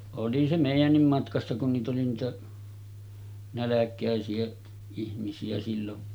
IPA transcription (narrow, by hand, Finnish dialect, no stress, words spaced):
oli se meˑijænːim mɑtkɑsːɑ kun niːt oli niːtæ nælækˑæˑesiæ ihmisiæ silːon